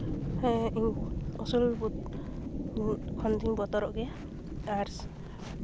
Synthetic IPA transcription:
iɔsulbut̪̚ | kʰɔnt̪ʰiŋbɔt̪ɔɾɔʔɡɛ | aɾs

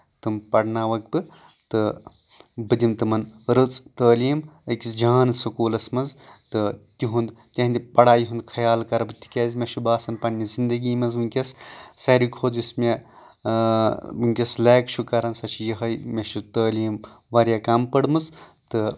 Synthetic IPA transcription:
t̪ɨmpɐɽnaːʋɐk̚bɨ | t̪ɨ | bɨd̪ʲimt̪ɨmɐnɾɨt͡sʼt̪əːliːmɨkʲisd͡ʒaːnsɐkuːlɐsmɐnzt̪ɨt̪ʲiɦund̪ | t̪ʲɐɦnd̪ʲipɐɽaːjɦund̪kʰɐjaːlkɐɾbɨt̪i̥kʲeːzʲmʲeʃubaːsɐnpɐnʲːizind̪ɐɡiːmɐzmɨŋkʲessɐɾikʰoːd̪ismʲe | mɨŋkʲesleːkt͡ʃʰukɐɾɐnsɐt͡ʃʰijɐɦɐjmʲeʃut̪əːliːm | ʋɐɾjaːkampɐɽmɨst̪ɨ

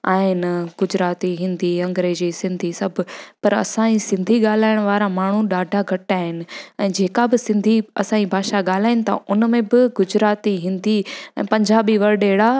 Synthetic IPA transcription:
a̰ːɦɪnɡ̥ʊd͡ʑɾaːt̪iɦɪ̃nd̪ʱiɐ̃ŋɡɾeːd͡ʑisɪ̃nd̪ʱisɐbʱʊpɐɾɐ̰sãisɪ̃nd̪ʱiɠaːl̤aːɪɽ̃ʋaːɾamaːɳ̤uɗaːɖʱaɡʱɐʈaːɦɪnɪ̆ɛ̃ːd͡ʑeːkabɪsɪ̃nd̪ʱiɐ̰sãːibʱaːʃaɠaːl̤aːɪnɪ̆t̪ʰa̰ʔʊnmẽbɪɡʊd͡ʑɾaːt̪iɦɪ̃nd̪iɛ̰̃ːpɐ̃ɲd͡ʑaːbiʋɐɾɗeːɽa

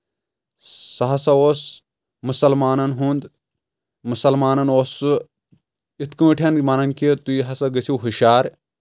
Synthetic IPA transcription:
sɐɦɐsɐoːs | musɐlmaːnɐnɦund̪ | musɐlmaːnɐnoːsu | it̪kɨ̃ːʈʰʲɐnmɐnɐnkit̪uiɦɐsɐɡɐsiwɦuʃaːɾ

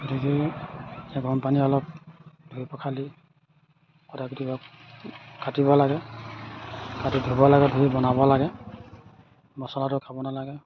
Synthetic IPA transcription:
ɡɔtiki | ɛɡʱɔnpaniɔlɔp̚dʱujpɔkʰali | kɔtʰakutibɔ | kʰatibɔlaɡɛ | kʰatidʱubɔlaɡɛdʱuibɔnabɔlaɡɛ | mɔsɔlatʊkʰabɔnalaɡɛ

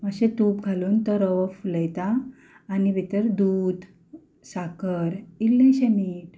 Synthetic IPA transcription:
məɕet̪uːp̚ɡʱaluːnt̪əɾəʋəfləjt̪aː | nibʱit̪əɾd̪uːd̪ | sakəɾilːẽɕəmiʈ

